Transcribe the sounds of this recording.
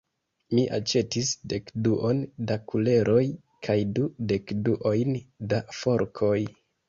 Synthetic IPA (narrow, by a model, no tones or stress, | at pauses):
miʔa̰t͡ʃe̞tisde̞kduʔo̞ndakule̞ɾʔo̞j | kʰajdude̞kduʔo̞jndafo̞ɾkʰo̞j